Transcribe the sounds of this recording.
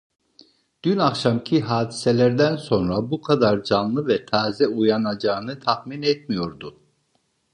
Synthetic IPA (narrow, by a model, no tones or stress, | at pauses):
d̪̥ynakʃamcʰiɦaːd̪isɛlʲæɾd̪ænso̞nɾabukʰad̪aɾd͡ʒanlˠɯvɛt̪ʰaːzɛujanad͡ʒaːnɯt̪ʰaxminɛt̪mijo̞ɾd̪u